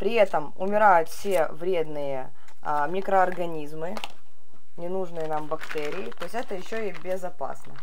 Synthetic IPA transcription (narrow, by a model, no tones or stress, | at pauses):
pɾʲɪɛt̪əmʊ̰mʲɪɾajʊt̪fsʲevɾʲe̞d̪nɨjə | mʲikɾəɐrɡɐnʲizmɨ | nʲɪnuʐnɨjənambɐkt̪ɛɾʲɪjɪt̪oɪsʲɛt̪əjɪɕːoibʲɪzɐpa̰snə